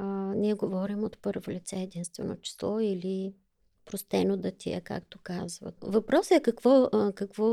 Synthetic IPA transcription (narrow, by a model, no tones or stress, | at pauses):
niɛɡovɔɾimot̪pɤɾvolit̪sɛɛd̪inst̪vɛ̰no̰t͡ʃi̥slˠɔili | pɾost̪ɛnod̪ɐt̪ʰḭɛ̰ka̰kt̪okazvə̰t̪vɐpɾɔsəɛkɐkvɔkɐkvɔ